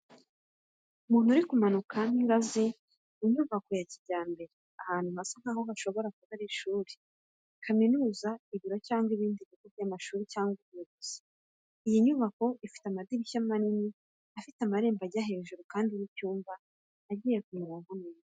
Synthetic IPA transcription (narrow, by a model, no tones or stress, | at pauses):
umuːn̥huɾikumanukʰaniŋɡazi | iɲuːβako̞jacibɟaːmbe̞ɾeahaːn̥huhasan̥haːhoɦaʃo̞βo̞ɾakuβaɾiʃuːɾi | kʰaminuːzaiβiɾocaːŋɡwiβiːndiβikuɾamaʃuːɾicaːŋɡimuɡuz̥i̥ | ijiɲuβako̞ʔifi̥tamadiɾiʃamanini | afitamaɾe̞ːmbaɟaɦe̞ːʒuɾukaːndiɾicuːmvaː | ɟiːje̞kumuɾaŋoneːza